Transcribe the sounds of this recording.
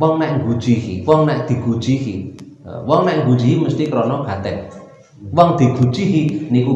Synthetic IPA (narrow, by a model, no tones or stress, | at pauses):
wɔŋnaʔŋɡud̥d͡ʒ̥iɦḭwɔŋnaʔd̪̥i̤ɡ̥ud̥ʒ̥iɦḭ | wɔŋnaʔŋɡud̥d͡ʒ̥iɦiməst̪ikəɾɔnɔɡ̥at̪ɛk̚ | wɔŋd̪̥iɡ̥ṳd̥ʒ̥iɦiniku